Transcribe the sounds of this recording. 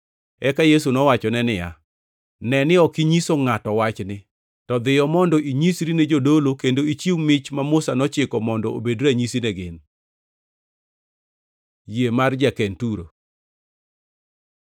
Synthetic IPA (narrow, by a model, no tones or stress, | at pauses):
ɛkajes̬unɔwat͡ʃɔnɛnɪja̰ | nɛnɪɔkiɲisoŋatɔwat͡ʃnɪ | tɔd̪ɪjɔmɔndɔʔiɲisɾined͡ʒodolokendoit͡ʃiwmɪt͡ʃmamʊsanɔt͡ʃɪkɔmɔndɔo̰bedɾaɲisinɛɡɪn | jemard͡ʒakɛntuɾo̰